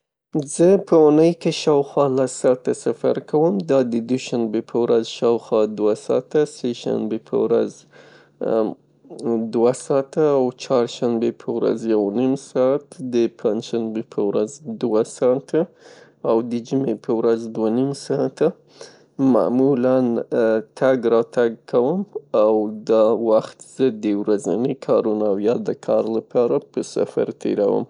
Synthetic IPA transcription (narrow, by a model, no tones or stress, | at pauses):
zəpʰəʊnəjkeʃɑwxwɑlasɑt̪ːasafa̰ɾkawəmd̪ɑd̪əd̪uʃanbepʰəwɾazʃɑwxwɑd̪wasɑ̰t̪aseʃa̰nbepʰə̰wɾa̰z | d̪wasɑt̪aːwt͡ʃɑɾʃanbepʰəwɾa̰zjawnimsɑt̪d̪əpʰand͡ʒʃanbepʰəwɾazd̪wasɑt̪a | awd̪əd͡ʒumepʰəwɾazd̪wanimsɑat̪a | ma̰mulant̪ʰaɡɾɑt̪aɡkʰawəmawd̪ɑwaxt̪z̥əd̪əwɾaza̰nəkʰɑɾunawjɑd̪əkʰɑɾlapɑɾapəsa̰fa̰ɾt̪ʰḛɾa̰wə̰m